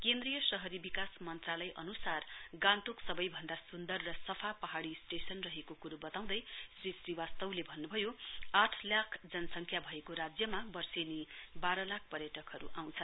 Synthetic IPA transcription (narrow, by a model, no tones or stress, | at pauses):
kend̪rijʌsʌɦʌɾibikasmʌnt̪ralʌjʔʌ̰nusarɡãnʈuksʌbʌjbʱʌnd̪asund̪ʌrːʌsʌpʰapʌɦaɽisʈesʌnrʌɦekokuɾubʌt̪aw̃d̪ʌjsrisriwast̪ʌwlebʱʌnːubʱʌjoaʈʰlakʰd͡zʌnʌsʌŋkʰjabʱʌekoɾad͡zjʌmabʌrsenibaɾʌlak̚ʰpʌɾjʌʈʌkɦʌɾṵʔaw̃t͡sʰʌ